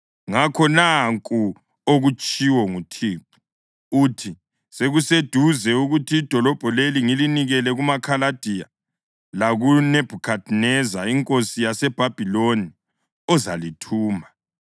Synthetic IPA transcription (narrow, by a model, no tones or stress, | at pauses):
ŋakʰɔnaŋkʼu | oɣut͡ʃʼiwɔŋutʰiːp̚ʰu̥ | utʰi | seɣused̥ʱuzɛuɣutʰiːd̥ʱɔlɔb̥ʱɔleliŋiliniɣɛlɛɣumakʰalad̥ʱija | laɣunɛb̥ʱukʰadʰʼnɛzaiŋkʼosijasɛb̥ʱab̥ʱiloni | ɔzalitʰuːma